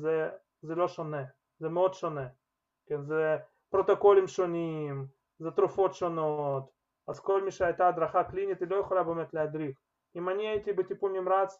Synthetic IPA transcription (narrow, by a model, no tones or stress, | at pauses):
zɛ | zɛloʂonɛ | zɛməo̞d̪ʃonɛ | kʲenzɛ | pɾot̪ɐko̞lʲɪmʃonʲim | zɛt̪ɾʊfo̞t̪ʃonot̪ | azko̞lʲmʲiʃɛajt̪aːd̪ɾaχaklʲinʲit̪ilo̞jəxolʲabemɛt̪lʲɪɐd̪ɾʲix | imanʲiɛt̪ʲɪbɨtʲɪpomʲɪmɾat͡s